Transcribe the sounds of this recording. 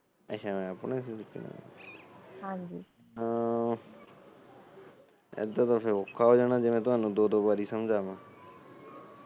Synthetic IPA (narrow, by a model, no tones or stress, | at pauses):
əʃʰãːmɛ̃ːəpɳẽsiːlɪkːḭnã̰ː | hãːɲd͡ʒiː | ãː | ḛd̪ãːt̪əɾfẽːokʰːaːɦoːd͡ʒaːnaːd͡ʒeːʋɛ̃ːt̪ʊɦaːnũːd̪oːd̪oːbaːɾiːsəmd͡ʒaːʋãː